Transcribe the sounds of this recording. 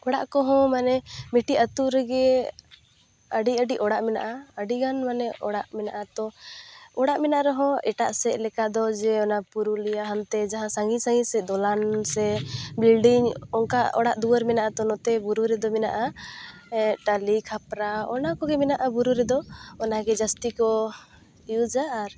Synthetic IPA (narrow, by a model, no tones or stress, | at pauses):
ɔɽaʔkɔɦɔ̃manɛmiʈiʔat̪uɾɛɡɛ | əɖiəɖiʔɔɽaʔmɛna̰ʔaəɖiɡanmanɛʔɔɽaʔmɛnaʔat̪ɔ | ɔɽaʔmɛnaʔaɾɛɦɔ̃ɛʈa̰ʔsɛʔlɛkad̪ɔd͡ʒɛɔnapuɾulijaɦamt̪ɛd͡ʒaɦãsaŋɡisaŋɡisɛd̪ɔlansɛbilɖiŋɔŋkaɔɽaʔd̪uəɾmɛnaʔat̪ɔnɔt̪ɛbuɾuɾɛd̪ɔmɛna̰ʔa | ʈalikʰapɾaɔnakɔɡɛmɛnaʔabuɾuɾɛd̪ɔɔnaɡɛd͡ʒast̪ikɔ | ijud͡ʒaːɾ